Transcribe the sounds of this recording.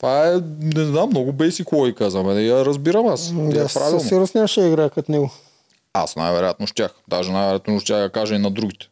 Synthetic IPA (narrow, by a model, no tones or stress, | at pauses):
t̪vaɛnɛznamːnɔɡʊbɛsikoɔikazɐmɛnɛijɐɾɐzbiɾɐmasd̪aɛspɾa̰vilˠnɛɾosnʲaʃɛiɡɾakɐt̪nɛɡʊ | a̰sna̰jvɛɾojat̪̚noʃt̪ʲaxd̪aʒɛnajvɛɾat̪noʃt̪ʲaxɡ̪ɐkaʒɛinɐd̪ɾuɡʲit̪ɛ̥